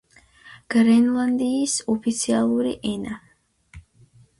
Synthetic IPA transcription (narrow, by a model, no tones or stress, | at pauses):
ɡ̥ɾɛnlˠand̪iːsɔpʰit̪sʰialˠuɾiʔɛna